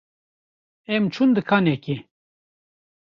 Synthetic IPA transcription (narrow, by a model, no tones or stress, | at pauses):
ɛmt͡ʃʰund̪ɨkʰaːnɛki